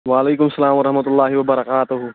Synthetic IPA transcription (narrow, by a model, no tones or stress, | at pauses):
ʋaːleːkʊmsːɐlaːmʋɐɾɐɦmɐt̪ʊlːaːɦɪʋɐbɐɾɐkaːt̪ʊɦ